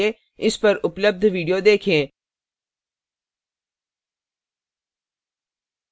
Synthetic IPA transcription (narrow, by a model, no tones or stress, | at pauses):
e | ɪspɐɾʊpləb̚d̪ʱʋiːɖijod̪eːkʰẽː